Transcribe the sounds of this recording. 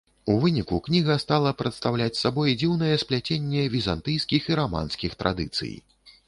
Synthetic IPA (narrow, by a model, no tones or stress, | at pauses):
uvɨnʲikuknʲiɣɐst̪alˠɐpɾɐt̪st̪awlʲat͡sʲsabɔjd͡zʲiwnɐjɛsplʲat͡sʲenʲːɛvʲizant̪ɨjskʲixiɾama̰nskʲixt̪ɾʔa̰d̪ɨ̰t̪sɨ̰j